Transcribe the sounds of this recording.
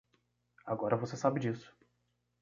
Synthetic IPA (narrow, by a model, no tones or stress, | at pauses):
aɡɔɾɐvosesabɪd͡ʒisʊ̥